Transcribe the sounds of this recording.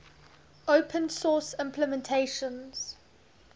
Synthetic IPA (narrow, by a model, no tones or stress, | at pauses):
oʊpʰə̃nsɔːˑsɪ̃mpʰləmɛ̃ntʰeɪʃə̃nz̥